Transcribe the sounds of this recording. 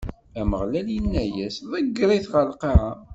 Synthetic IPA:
æməʁlæljinːæjæsðˤəɡːɾˤiθʁəlqɑʕa

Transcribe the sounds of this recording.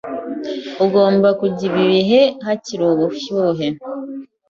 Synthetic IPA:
uɡo̞ːmbakuɟiβiɾiɦe̞ɦaciɾuβufjuːɦe

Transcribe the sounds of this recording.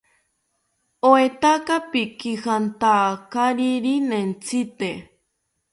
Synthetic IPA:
oet̪akapikihant̪aːkaɾiɾinent͡sʰit̪e

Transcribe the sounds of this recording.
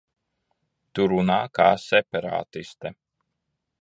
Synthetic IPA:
t̪uɾunaːkaːsɛpaɾa̰ːt̪ist̪ɛ

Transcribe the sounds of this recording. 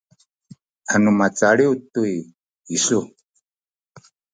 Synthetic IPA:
anumat͡saɺiutui | isu

